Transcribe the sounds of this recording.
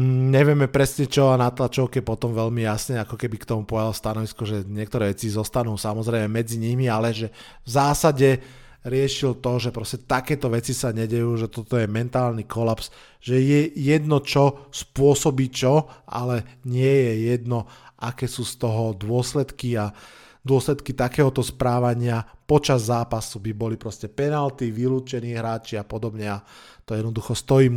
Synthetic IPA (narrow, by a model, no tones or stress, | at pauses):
ɲɛʋɪɛmɛpɾɛsɲɛt͡ʃɔanat̪lat͡ʃɔʊkiɛpɔt̪ɔmʋɛʎmijasɲɛakɔkɛbikt̪ɔmupɔjalst̪anɔʋiskɔʒɛɲɪɛk̚t̪ɔɾɛːʋɛt͡sizɔst̪anuːsamɔzɾɛɪmɛmɛd͡ziɲimialɛʒɛ | vzaːsaɟɛ | ɾɪɛʃilt̪ɔʒɛpɾɔscɛt̪akɛːt̪ɔʋɛt͡sisaɲɛɟɛjuːʒɛt̪ɔt̪ɔjɛmɛnt̪aːlnikɔlaps | ʒɛjɛjɛd̪nɔt͡ʃɔspʊɔsɔbiːt͡ʃɔa̰lɛɲɪɛjɛjɛd̪nɔʔakɛːsuːst̪ɔɦɔd̪ʊɔslɛt̪kia | d̪ʊɔslɛt̪kit̪akɛːɦɔt̪ɔspɾaːʋaɲɪapɔt͡ʃazːaːpasubibɔlipɾɔscɛpɛnalt̪iʋiluːt͡ʃɛniːɦɾaːt͡ʃiapɔd̪ɔbɲɛat̪ɔjɛd̪nɔd̪uxɔst̪ɔjiːm